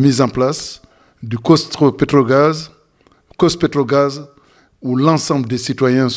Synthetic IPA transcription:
mizɑ̃plas | d̪ykɔst̪opet̪ʁɔɡaz | kɔspet̪ʁɔɡaz | ulɑ̃sɑ̃bld̪esit̪wajɛ̃

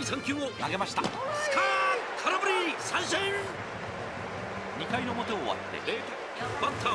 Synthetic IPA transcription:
ɰsãŋkʲɨːonaɡe̞maɕi̥t̪askʰakʰaɾabɯɾʲisãɰ̃ɕẽn | ɲ̟ikaino̞mo̞t̪e̞oːβa̰t̪ːe̞̰ | bãnt̪ʰa

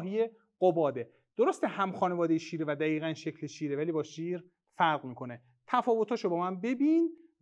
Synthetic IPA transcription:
ɦije | ɢobɒːd̪e | d̪̥oɾost̪ehæmxɒːnevɒːd̪ejeʃiːɾevæd̪æiːɣænʃecʰleʃiːɾevæliːbɒːʃiːɾ | fæɾɣmiːkʰo̞ne | t̪ʰæfɒːvo̞t̪ʰhɒːʃobɒːmænbe̞biːn

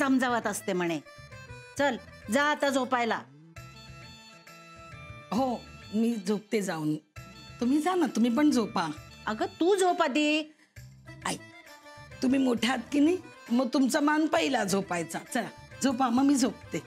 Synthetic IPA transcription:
səmd͡zəʋət̪əst̪em̤əɽ̃e | t͡səld͡zat̪ad͡zopajla | ɦomiːd͡zʱop̚t̪ed͡zauːnt̪um̤iːd͡zanat̪um̤iːp̬əɳd͡zopaəɡət̪uːd͡zopad̪iː | aj | t̪um̤iːmoʈʰjat̪kini | məɡ̚t̪umt͡samanpəɦilad͡zʱopajt͡sat͡səɾd͡zopaməɡmiːd͡zʱok̚t̪e

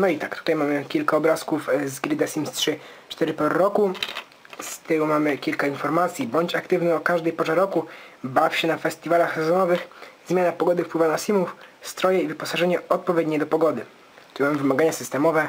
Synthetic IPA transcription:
nɔit̪akt̪u̥t̪ajmamɘkʲilkaɔbɾaskufzɡɾɘd̪asʲimstʂɘt͡ʂt̪ɛɾɘpɔɾɔɾɔku | st̪ɘumamɘkʲilkainfɔɾmat̪sʲjibɔɲt͡ɕakt̪ɘvnɛɔkaʐd̪ɛjpɔʐaɾɔkubafɕɛnafɛsʲt̪ʲivalaxsɛzɔnɔvɘxzmʲjanapɔɡɔd̪ɘfpwɘvanasʲimufst̪ɾɔjɛivɘpɔsaʐɛɲɛɔt̪̚pɔvʲjed̪ɲɛjd̪ɔpɔɡɔd̪ɘ | imamvɘmaɡaɲasɘst̪ɛmɔvɛ

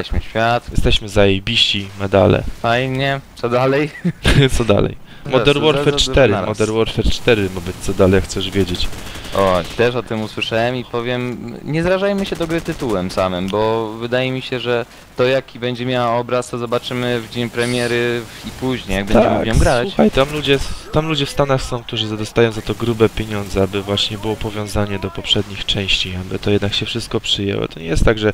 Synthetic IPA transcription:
t̪ɛɕmɘɕfʲjat̪jɛst̪ɛɕmɘzajejbʲiɕt͡ɕimɛd̪alɛ̰fajɲɛt̪sɔd̪alɛjt̪sɔd̪a̰lɛ̰j | mɔɛɾwɔɾfɛt͡ʂ̪ɛɾɨmɔd̪ɛɾwɔɾfɛɾt͡ʂt̪ɛɾɘmabɘt̪sɔd̪alɛjxt̪sɛʐvʲjed͡ʑet͡ɕʔɔt̪ɛʂɔt̪ɘmuswɘʂawɛmipɔvʲjɛmɲɛzɾaʐajmɘɕɛd̪ɔɡɾɘt̪ɘt̪uwɛmsamɘmbɔvɘd̪ajɛmʲiɕɛʐɛ | t̪ɔjakʲibɛɲd͡ʑɛmʲjawaɔbɾast̪ɔzɔbat͡ʂɘmɘvd͡ʑeɲpɾɛmʲjɛɾɘipuʑɲejaɡ̚bɛ̃ɲd͡ʑaɛmʲjɔmɡɾat͡ɕuxajt̪amlud͡ʑɛt̪amlud͡ʑɛfst̪anaxsɔ̃w̃k̚t̪uʐɘzad̪ɔst̪ajɔ̃w̃zat̪ɔɡɾubɛpʲjeɲɔ̃nd̪zɛabɘvwaɕɲɛbɘwɔpɔvʲjɔ̃w̃zaɲɛd̪ɔpɔpʂɛd̪ɲixt͡ʂɛ̃w̃ɕt͡ɕiabɘ̰t̪ɔjɛd̪nakɕɛfʂɘst̪kɔpʂɘjɛ̰wɔ̰t̪ɔɲɛjɛst̪ːaɡʐɛ

